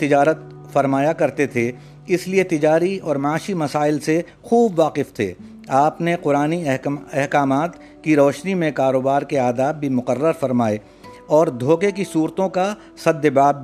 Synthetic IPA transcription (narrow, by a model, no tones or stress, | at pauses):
t̪ɪd͡ʒaːɾət̪̚ | fɐɾmaːjakɐɾt̪et̪ʰe | ɪsliet̪ɪd͡ʒaːɾiɔːɾmãːʃimɐsaːɪlse | xuːbʋaːqɪft̪ʰḛː | aːpneqʊɾaːniɦɛɦkaːmaːt̪ | kiɾɔːʃnimẽkaːɾoːbaːɾkeaːd̪aːbːʱimʊqərːəɾfɐɾmaːe | ɔːɾd̪ʱoːkekisuːɾt̪õka | sɐd̪əbaːb